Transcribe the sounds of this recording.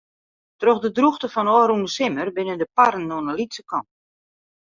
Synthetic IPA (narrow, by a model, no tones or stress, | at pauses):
troxdədruxtəfɔnɔːɾunəsɪmərbɪnədəpaɾənːoənəlitsəkɔn